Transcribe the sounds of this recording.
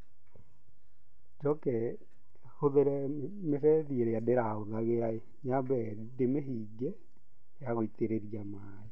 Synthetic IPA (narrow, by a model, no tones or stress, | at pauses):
d͡ʒɔkɛ | hoðeɾɛ | mefɛðieɾejadeɾaoðaɣeae | ɲabɛ | demeɦiɡɛ | jaɣoiteɾeðiama | e